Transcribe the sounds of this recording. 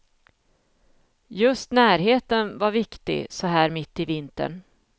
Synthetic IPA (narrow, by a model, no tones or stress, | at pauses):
jɵst̪næːɾɦeːt̪ənvaɾvɪkt̪ɪ̰sɔɦæːɾmɪt̪ːɪvɪnt̪ə̰ɳ